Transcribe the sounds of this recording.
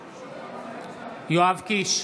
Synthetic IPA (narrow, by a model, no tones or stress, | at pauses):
joavkiʃ